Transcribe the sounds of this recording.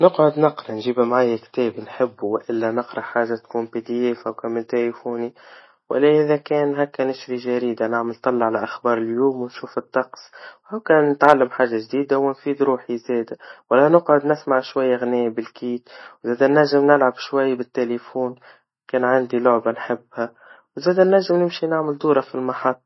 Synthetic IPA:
nɪqʕʊd̪nɑqɾˤɑnʒiːbamʕaːjːakt̪ɛːbinħɪbːuwɪʔɪlːænɪqɾˤɑħaːʒːat̪kuːnpid̪ijeːfawkæmɪnt̪elifuːni | wɪ̰lːæʔɪðakɛːnɦækːænɪʃɾiʒaɾiːd̪anaʕmɪlt̪ˤːɑlːɑʕalaʔaxbɑːɾˤɪljuːmwɪnʃuːfɪt̪ˤːɑqsʔawkɛːnːɪt̪ʕalːamħaːʒːaʒd̪iːd̪awɪnfiːd̪ɾuːħizɛːd̪awalːænʊqʕʊd̪nɪsmaʕʃwajːaɣneːbɪlkiːt̪wzeːd̪anːæʒːɪmnɪlʕabʃwajːbɪt̪ːelefuːn | kɛːnʕand̪ilʊʕbanħɪbːha | wzeːd̪anːæʒːɪmnɪmʃinaʕmɪld̪uːɾɑfilmɑħɑt̪ˤː

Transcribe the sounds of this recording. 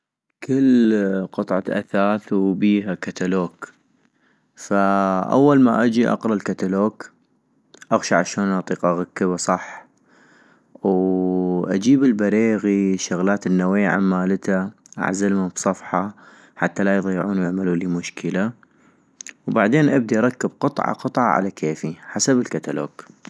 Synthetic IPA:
kɪlqɨt̪ˤʕɑʔa̰θaːθwbiːɦakat̪aloːk | faʔa̰wːalmaʔad͡ʒiʔɑ̰qɾˤɑlkat̪aloːk | ʔaɣʃaʕaʃaːnʔɑt̪ˤiːqʔaɣakːəβasˤɑħ | w | ʔa̰d͡ʒiːbɪlbaɾeːɣiʃʊɣlaːt̪ɪnːawiːʕa̰mːaːlt̪aʔa̰ʕzalmabsˤɑfħɑ | ħat̪ːalajðˤɑjːɪʕuːnwjɪʕmalulimʊʃkəla | wbaʕd̪eːnʔab̚d̪iʔɑɾˤɑkːɪb̚qɨt̪ˤʕɑ̰qɨt̪ˤʕɑ̰ʕa̰lakʰeːfiħasabɪlkat̪alo̰ːk

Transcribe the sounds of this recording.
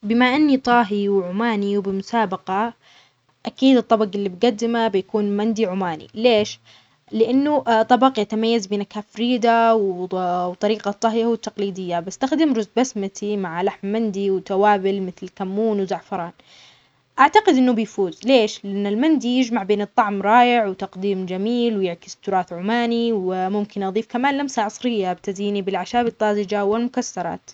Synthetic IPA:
bɪmaʔanːit̪ˤɑːɦiwʕʊmaːniwbɪmʊsaːbɑqɑ | ʔakiːd̪ɨt̪ˤːɑbɑqɪlːibɡad̪ːɪmabɪjakuːnmand̪iʕʊmaːnḭleːʃ | lɪʔanːut̪ˤːɑbɑqjat̪amajːazbinakafɾiːd̪awwt̪ˤɑɾiːqɑt̪ˤːɑɦjawɪt̪ːɑqliːd̪ɪjːabɪst̪axd̪ɪmɾʊzbasmat̪ʰimaʕlaħmːand̪iwt̪awaːbɪlmɪθlkamːuːnwzaʕfɑɾˤɑːn | ʔaʕt̪aqɪd̪ʔɪnːʊbɪjfuːzleːʃlɪʔanːalmand̪ijɪd͡ʒmaʕbeːnɨt̪ˤːɑʕmɾˤɑːjɪʕwt̪ɑqd̪iːmd͡ʒamiːlwjɪʕkɪ̥st̪ʊɾˤɑːθʕʊmaːniwɪmʊmkɪnʔɑðˤiːfkamaːnlamsaʕʊsˤɾɪjːabt̪aziːnibɪlʕaʃaːbɪt̪ˤːɑːzɪd͡ʒawɪlmʊkasːɑɾˤɑ̰ːt̪

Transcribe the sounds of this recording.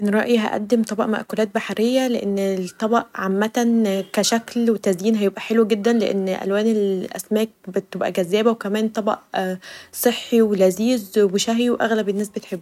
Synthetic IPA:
ʔenɾˤɑ̰ʔjiɦæ̰ʔæ̰d̪ːemt̪ˤɑbɑʔmæ̰ʔkolæːt̪̚baħaɾʔejːæleʔenːt̪ˤːɑbɑʔʕamːæt̪ækæʃæklwet̪æzjiːnɦæjebʔæħelwɡed̪ːænleʔḛnːʔæ̰lwæːnelʔæ̰smæːk̚bet̪ebʔæ̰ɡæzːæːbæwekæmæːnt̪ˤɑbɑ̰ʔ | sˤeħːiwelæziːzweʃæɦiwʔæ̰ɣlæbenːæːsbet̪ħebːu

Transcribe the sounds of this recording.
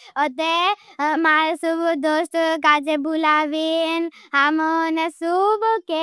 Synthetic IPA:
ɔt̪emaɾsubd̪oːsʈkaːd͡ʒebulaʋinɦamɔnesubke

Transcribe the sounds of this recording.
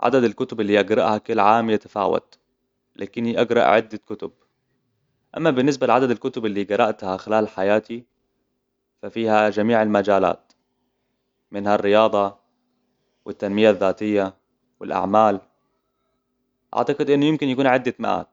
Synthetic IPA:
ʕa̰d̪ad̪alkʊt̪ʊbɪlːiʔaɡɾˤɑ̰ʔhakʊlːʕaːmjat̪ḁfa̰ːwa̰t̪ | lʔa̰ːkɪnːiʔaɡɾˤɑ̰ʔʕɪd̪ːakʊt̪ʊb̚ | ʔa̰mːabɪnːɪs̬balɪʕad̪ad̪alkʊt̪ʊbɪlːiɡɑɾˤɑʔt̪haxɪlaːlħajaːt̪i | fafiːhad͡ʒamiːʕalmad͡ʒaːla̰ːt̪ | mɪnharːɪjɑːd̪ˤɑ | wɪt̪ːanmɪjaðːaːt̪ɪjːa | wɪlʔa̰ʕmaːl | ʔa̰ʕt̪aqɪd̪ʔɪnːʊjɪmkɪnjakuːnʕɪd̪ːamaʔa̰ːt̪

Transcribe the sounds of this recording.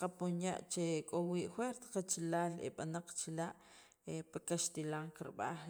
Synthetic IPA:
qaponja̰ʔt͡ʃekʼowiːʔxweɾt̪qat͡ʃilaːlḛɓanaq͡χt͡ʃilaʔ | epakaʃt̪ilaŋkiɾɓa̰χ

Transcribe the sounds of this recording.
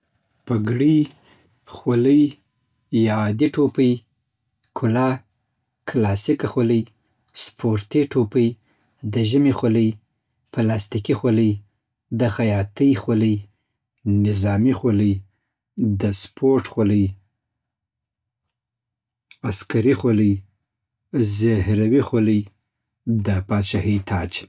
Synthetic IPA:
paɡɽi | xwaləj | jɑːd̪iʈʰopəj | kʰʊlɑ | kʰlɑsikaxwaləj | spʰoɾt̪iʈʰopəj | d̪əʒəmixaləj | pəlɑst̪ikixwaləj | d̪əxajɑt̪əjxwoləj | nɪzɑmixolə | d̪əspʰoɾʈxoləj | askaɾixoləj | zehɾawixoləj | d̪əpɑʃahit̪ʰɑd͡ʒ

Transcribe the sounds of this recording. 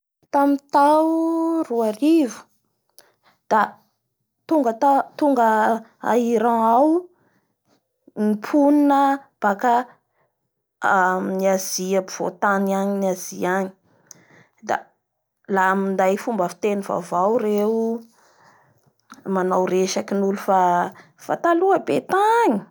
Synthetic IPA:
t̪amint̪auruaɾivu̥ | d̪̥a | t̪uŋɡət̪at̪uŋɡəa̰iɾãaw | nipʰuninəb̥aka | niaziapiv̥o̰t̪aniaɲinaz̥iaɲi̥ | d̪a̰ | lamind̪ajfumbəfi̥t̪eniva̰vawɾeu | manawɾeʃakinulufa | fa̰t̪aluəbet̪aɲi

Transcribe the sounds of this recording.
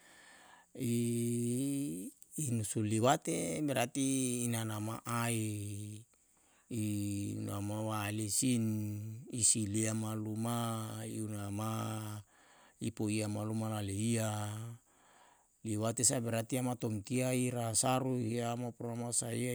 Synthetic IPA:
i | nusuliwat̪ebeɾat̪iːnanamaʔai | ṵnamawalisinisiliamalumaiunama | ipoiamalumalaleia | liwat̪esabeɾat̪iamat̪omt̪iaiɾasaɾuiamapuɾamasaia

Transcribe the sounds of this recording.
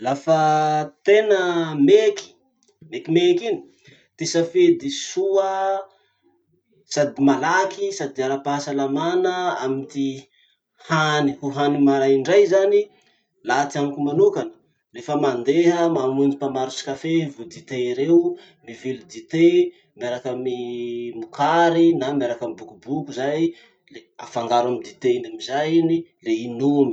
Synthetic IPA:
lafət̪enəmeki̥ | mekimekini̥ | t̪esafed̪isuə | sad̪imalakisad̪iaɾapaasalamanəamit̪i | hanihuɦanimaɾajiɳɖ͡ʐajzani | lat̪iamkumanukanə̥ | lefəmand̪eɦəmamund͡zipamaɾusi̥kafevud̪it̪eiɾeu | mivilud̪it̪e | miaɾakəmimukʰaɾinamiaɾakəmibukubukuzaj | lea̰faŋɡaɾamid̪it̪einamizajinileinumi

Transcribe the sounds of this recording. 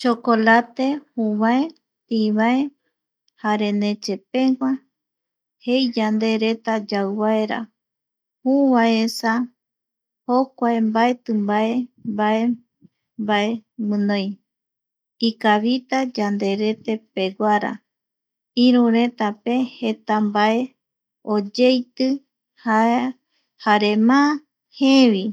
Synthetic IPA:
t͡ʃokolat̪e̞hũβae | tiβae | haɾe̞nẽ̞t͡ʃe̞pe̞ŋʷa | hejd͡ʒand̪e̞ɾe̞t̪ad͡ʒawβaeɾa̰ | hũβaesa | hokʷaembae̞t̪ɨmbaembae | mbae̞mɨ̃nõj | ikaβit̪ad͡ʒand̪e̞ɾe̞t̪e̞pe̞ɡʷaɾa̰ | iɾũɾe̞t̪ape̞he̞t̪ambae | od͡ʒejt̪ɨ | ha | haɾe̞mã | heβi

